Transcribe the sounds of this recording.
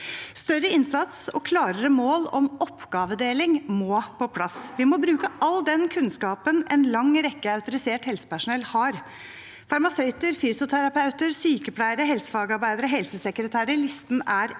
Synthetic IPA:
st̪œɾːəɪnsɑt̪sɔ̰kʰlɑːɾəɾəmoːlɔmɔpːɡɑːʋəd̪eːlɪŋmoːpʰɔpʰlɑsʋɪmɔbɾʉːkəʔɑld̪ɛnkʰʉnskɑːpənɛnlɑŋɾɛkːəɑʉt̪ʊɾɪseːʈhɛlsə̥pæʂʊnɛlːhɑɾ | fɑɾmɑsœʏt̪əɾfyːsʊt̪ʰæɾɑpʰɑʉt̪əɾsyːkəpʰlæɪəɾəɦɛlsə̥fɑːɡɑɾbæɪd̪əɾɔɦɛlsəsɛkɾət̪ʰæːɾəɭɪst̪næɾ

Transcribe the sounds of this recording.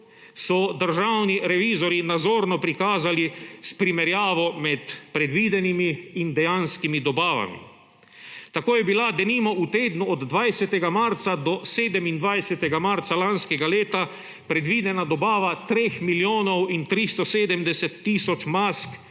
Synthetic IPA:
sɔd̪əɾʒawniɾɛʋiːzɔɾinad̪zoːɾnɔpɾikaːzalispɾimɛɾjaːʋɔmɛt̪pɾɛd̪ʋiːd̪ɛnimiːnd̪ɛjanskimid̪ɔbaːʋa̰mḭ | t̪akoːjɛbilad̪ɛniːmɔut̪eːd̪nuɔd̪ːʋajsɛt̪ɛɡamaɾt̪sad̪ɔseːd̪ɛmind̪ʋajsɛt̪ɛɡamaɾt̪salanskɛɡaleːt̪a | pɾɛd̪ʋiːd̪ɛnad̪ɔbaːʋat̪ɾeːxmiljoːnɔwint̪ɾist̪ɔseːd̪əmd̪ɛsɛt̪ːiːsɔt͡ʃmask

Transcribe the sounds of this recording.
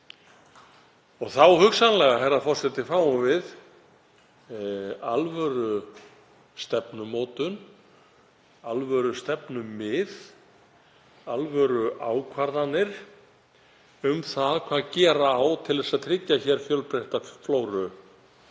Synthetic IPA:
ɔɣθawhʏksanlɛɣaɦɛrafɔr̥sɛt̪ɪfaːwʏvɪð | alvœɾʏ | st̪ɛpnʏmoːt̪ʏn | alvœɾʏst̪ɛpnʏmːɪð | alvœɾʏʔaːwkʰvaɾðanːɪɾ̥ | ʏmθaðkʰvaːðcɛːɾaːwt̪ʰɪlðɛsaðt̪ʰɾɪcːaçɛɾ̥fjœlpɾejht̪afloːwɾʏ

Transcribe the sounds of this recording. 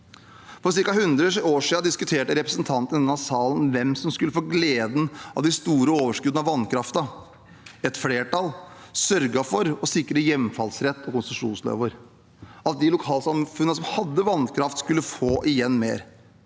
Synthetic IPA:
fɔɾs̬ɪɾkɑhʉnd̪ɾəʂoːʂiːɑd̪ɪskʉt̪ʰeːʈəɾɛpɾəsənt̪ʰɑnt̪ənd̪ɛnɑʋsɑːlən̩ʋɛmsɔmskʉlːəfoːɡleːd̪n̩ɑ̰ʋd̪ɪst̪uːɾəoːʋəʂkʉd̪nɑʋɑnkʰɾɑft̪ɑ | ɛt̪fleːʈɑlsœɾɡɑfɔɾɔsɪkːɾəjɛmfɑlsɾɛt̪ːʰɔkʊnsʂuːnslø̰ːʋəɾ | ɑt̪̚d̪ɪlʊkʰɑːlsɑmfʉnːəsɔmhɑd̪ːəʋɑnːkʰɾɑft̪skʉlːəfoːʔɪjɛnːmeːɾ

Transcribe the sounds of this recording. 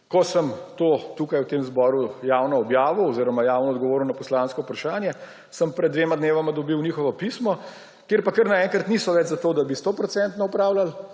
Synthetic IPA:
kɔsəmt̪oːt̪uːkajwt̪eːmzbɔɾujaːwnɔɔbjaːʋɔɔziːɾɔmajaːwnɔːd̪̚ɡɔʋoːɾuwnapɔslaːnskɔwpɾaʃaːnjɛ | səmpɾɛd̪d̪ːʋeːmad̪neːʋamad̪ɔbiwniːxɔʋɔpiːsmɔ | keɾpakəɾnaɛːŋkɾat̪niːsɔʋɛd͡ʒzat̪oːd̪abist̪opɾɔsɛnt̪nɔupɾaːwlal

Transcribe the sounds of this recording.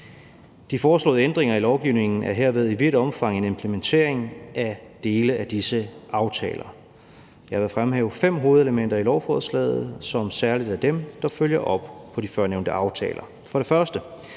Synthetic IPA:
d̥ifɒːslo̰̽ːð̩ˠend̥ʁeŋɐilɒʊɡ̥iʊ̰ne̝ŋn̩æɐɦe̝ɐ̰ʋe̝ð̞ˠiʋiɾ̥ɒ̽mfɑ̈ŋ̰e̝ne̝mpʰlement͡sʰe̝̰ɐ̰eŋʔæd̥e̝ːləæd̥isəɑ̈ʊt͡sʰɛ̰ːlɐ | jɑʋe̝fʁamɦɛ̰ːʊfem̰ɦo̝ːð̞̩ˠeləmen̰d̥ɐilɒʊfɒ̰ːðˠslɛ̰ːð̩ˠsɒ̽msæɐlid̥æd̥emd̥ɑ̈føljɐʔɒ̽b̥pʰɒ̽difɶɐneʊnd̥əʔɑ̈ʊt͡sʰɛ̰ːlɐ | fɒ̽ɾ̥e̝fɶɐsd̥ə

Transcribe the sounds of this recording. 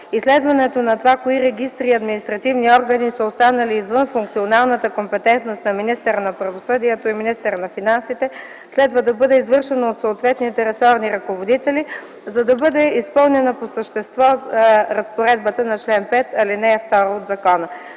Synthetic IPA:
islɛd̪vɐnɛt̪onɐt̪ovakoiɾɛɡist̪ɾiɐd̪minʲist̪ɾɐt̪ivniɔɾɡɐnisəost̪anəliːzvɤnfuŋk̚t̪sionalˠnət̪əkompɛt̪ɛnt̪nost̪nɐminist̪ɛɾənɐpɾɐvosɤd̪iɛt̪oiminist̪ɛɾnɐfinansit̪ɛ | slɛd̪vəd̪ɐbɤd̪ɛizvɤɾʃɛnoːt̪soːt̪vɛt̪nit̪ɛɾɛsɔɾniɾɐkovod̪it̪ɛli | zɐd̪ɐbɤd̪ɛispɤlˠnɛnɐposəʃt̪ɛst̪vɔɾɐspoɾɛd̪̚bət̪ənɐt͡ʃlɛnpɛt̪ɐlinɛːft̪ɔɾood̪zɐkɔnə

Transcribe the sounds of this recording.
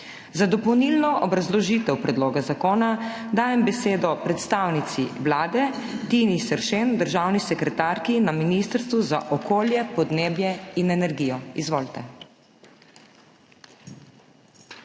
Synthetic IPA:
zad̪ɔpɔwnilnɔʔɔbɾazlɔʒiːt̪ɛwpɾɛd̪loːɡazakoːna | d̪aːjɛmbɛseːd̪ɔpɾɛt̪st̪aːwnit̪siwlaːd̪ɛt̪inisɛɾʃend̪əɾʒawnisɛkɾɛt̪aːɾkinaminist̪əɾst̪ʋuza̰ʔɔkʰoːljɛpɔd̪neːbjɛinɛnɛɾɡiːjɔizʋoːlt̪ɛ

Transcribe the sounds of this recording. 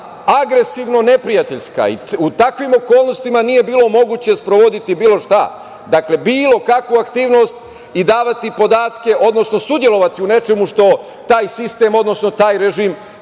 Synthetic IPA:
aɡɾe̞siʋno̞ne̞pɾijat̪e̞ʎska̰ḭut̪akʋimo̞ko̞ːlˠno̞st̪imanije̞biːlo̞mo̞ɡuːt͡ɕe̞spɾoʋo̞d̪it̪ibiːlo̞ʃt̪a | d̪akle̞biːlo̞kakʋuakt̪iːʋno̞st̪ | id̪aːʋat̪ipo̞d̪aːt̪ke̞ʔo̞d̪no̞sno̞sud̪je̞lo̞ʋat̪iune̞t͡ʃe̞muʃt̪o̞ | t̪aːjsist̪e̞ːmo̞d̪no̞sno̞t̪aːjɾeʒiːm

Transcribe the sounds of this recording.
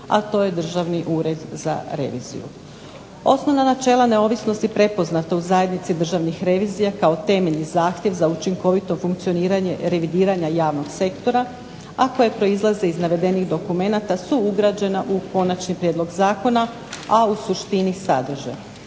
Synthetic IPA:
a̰t̪o̞ːje̞d̪r̩ʒaʋniʔuɾe̞d̪za̰ɾe̞̰ʋḭːzḭjṵ | o̞sno̞ʋnanat͡ʃe̞ːlˠane̞o̞ʋisno̞st̪ipɾe̞po̞znat̪auzaje̞d̪nit̪sid̪r̩ʒaʋnixɾe̞ʋiːzijakao̞t̪e̞me̞ʎnizaːxt̪jeʋzaut͡ʃiŋko̞ʋit̪o̞fuŋkt̪sio̞niːɾaɲeɾe̞ʋid̪iːɾaɲajaːʋno̞ɡse̞kt̪o̞ɾa | ako̞je̞pɾo̞izlˠaze̞iznaʋe̞d̪e̞niɣd̪o̞kume̞nat̪asuuɡɾad͡ʑe̞naʔuko̞nat͡ʃnipɾjed̪lˠo̞ɡzaːko̞na | ausuʃt̪inisad̪r̩ʒḛ

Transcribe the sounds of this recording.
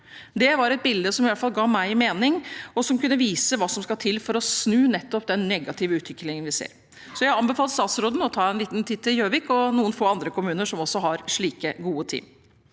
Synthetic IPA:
d̪ɛʋɑɾɛt̪̚bɪld̪əsɔmɪʋæt̪fɑlɡɑːmæɪɪmeːnɪŋɔsɔmkʉnːəʋiːsəʋɑːsɔmskɑt̪ʰɪlfɔɾɔsnʉːnɛt̪ːɔp̚d̪ɛnːɛɡɑt̪ʰɪʋəʉːt̪ʰʋɪkːlɪŋənʋɪsḛːɾ | sɔjæɪɑnbɛfɑlt̪st̪ɑːt̪sɾoːd̪n̩ɔt̪ʰɑːɛnliːt̪nt̪ʰiːd̪t̪ɪljøːʋɪːkɔnuːənfoːɑnd̪ɾəkʰʊmʉːnəʂɔmɔsːɔɦɑɾʂɭiːkəɡuːət̪ʰḭːm

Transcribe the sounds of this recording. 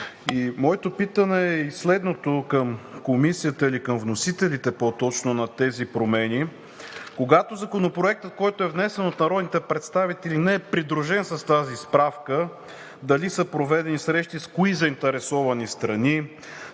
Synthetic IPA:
imɔɛt̪opit̪ənɛːislɛd̪not̪okəmkomisijət̪əilikəmvnosit̪ɛlit̪ɛpot̪ɔt͡ʃnonɐt̪ɛzipɾomɛni | koɡat̪ozɐkonopɾoɛk̚t̪ət̪̚kɔjt̪oɛvnɛsɛnot̪nɐɾɔd̪nit̪ɛpɾɛt̪st̪avit̪ɛlinɛɛpɾid̪ɾuʒɛnsɐst̪azispɾafkə | d̪ɐlisəpɾovɛd̪ɛnisɾɛʃt̪iskoizɐint̪ɛɾɛsɔvɐnist̪ɾɐni

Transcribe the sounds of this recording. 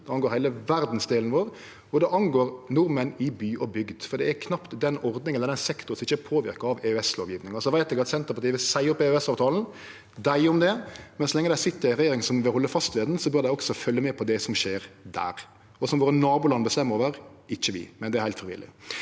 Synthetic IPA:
d̪ɛɑnɡoːɾhæɪləʋæɾd̪n̩sd̪eːlnʋoːɾ | ɔd̪ɛʔɑnɡoːɾnʊɾmənɪbyːʔɔbʏɡd̪fɔɾɖ̪ɛæɾkʰnɑpt̪d̪ɛnɔɾd̪nɪŋɛlːəɾd̪ɛnsɛkt̪ʊɾsɔɪçəpʰoːʋɪɾkəɾɑʋeʉɛslo̰ːʋjiːʋnɪŋɑsɔʋæɪt̪d̪ɛɡɑt̪sɛnt̪əpɑɾt̪iːʋəsæɪɔpːɛʉɛsɑːʋt̪ʰɑːln̩ | d̪æɪɔmd̪ɛmɛnsɔlɛŋːəd̪æsɪt̪ːəɾæɾɛjeːɾɪŋsɔmʋɪlhɔlːəfɑst̪ʋeːd̪nsɔbœɾd̪æɪɔksɔfœlːəmɛpʰɔd̪ɛsɔmʃeːɾd̪æ̰ːɾ | ɔsɔmʋoːɾənɑːbulɑnːəbəst̪ɛmːəɾoːʋəɾ | ɪçːəʋɪ̰mɛnd̪ɛæɾhæɪt̪fɾɪʋɪ̰lɪ̰

